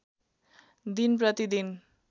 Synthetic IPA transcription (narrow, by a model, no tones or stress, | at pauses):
d̪inprʌt̪id̪in